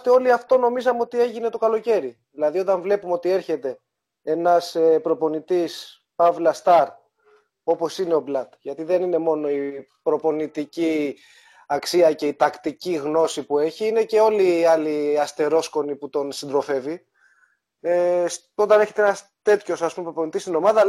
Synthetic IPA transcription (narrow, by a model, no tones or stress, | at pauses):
t̪eo̞liɐft̪o̞no̞mizɐmeo̞t̪ie̞ʝine̞t̪o̞kɐlo̞ce̞ɾiðilɐðio̞t̪ɐɱvle̞pumeo̞t̪ie̞ɾçe̞t̪e̞ | enɐsepɾo̞po̞nit̪is | pɐvlɐst̪ɐɾ | o̞po̞sineo̞blɐt̪ʝɐt̪iðe̞nine̞mo̞no̞i | pɾo̞po̞nit̪ici | ɐksiɐceit̪ɐkt̪iciɣno̞sipue̞çiine̞ce̞o̞liːɐliɐst̪e̞ɾo̞sko̞niput̪o̞nsind̪ɾo̞fe̞vi | es | o̞t̪ɐne̞çe̞t̪eenɐs | t̪e̞t̪ço̞sɐspumepɾopo̞nit̪ist̪ino̞mɐðɐ